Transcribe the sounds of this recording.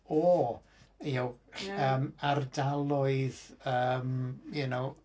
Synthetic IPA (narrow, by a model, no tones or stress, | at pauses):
ɔ | jawəːmardalˠʊɨðəːmjʊnow